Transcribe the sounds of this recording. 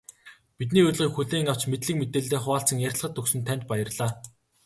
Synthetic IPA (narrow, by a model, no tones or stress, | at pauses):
pit̪̬̚niːɵr̆ʲɮʁiːkxuɮeːŋaw̥t͡ɕmet̪ɮɘ̆k̚met̪eːɮt̪eːχʊaːɬt͡sə̆ŋjæɾ̆ʲɮχə̆t̪ːɵksɵ̆nt̪ʰæn̥ʲt̪̚pajə̆rɮaː